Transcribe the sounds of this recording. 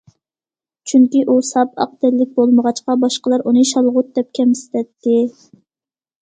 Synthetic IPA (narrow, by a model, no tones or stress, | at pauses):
t͡ʃʰyŋkʲiʔusɑpɑ̰q̚d̪ɪlːɪk̚ʲbolˠməʁɑt͡ʃqɑbɑʃqəlˠɑɾunɨʃɑlˠʁʊt̪̚d̪ɛp̚kʲʰɛmsɪ̥t̪ʰɛt̪ʰːɪ